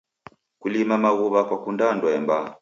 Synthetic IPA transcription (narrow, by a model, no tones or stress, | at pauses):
kulimamaɣuβakwakundandwɛmba